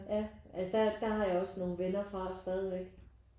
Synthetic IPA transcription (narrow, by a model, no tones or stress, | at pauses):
jæʔælsəd̥æd̥ɑ̈ɦɑ̈jɑ̈ɒ̽sno̝ːn̩ʋenɐfʁɑ̈sd̥ɛːð̞ˠiʋeɡ̥